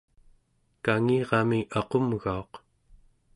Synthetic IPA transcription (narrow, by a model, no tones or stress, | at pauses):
kaŋiːʁɑmiɑqo̞mɣao̞q